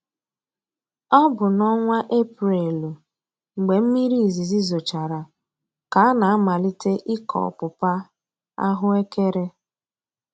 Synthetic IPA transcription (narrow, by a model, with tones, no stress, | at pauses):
ɔ˦bʊ˨nɔ˦ŋʷa˦ʔe˦pɾe˨lu˨ | ŋ͡m̩˨ɡ͡be˨m̩˦mi˦ɾi˦i˨zi˨zi˦zo˨t͡ʃa˨ɾa˨ | ka˨˦a˦na˨a˦ma˨li˦te˦ʔi˦kʰɔ̰˨ɔ̰˨pʊ˨pa˦ | a̰˦ɦʊ˦e˦ke˦ɾe˦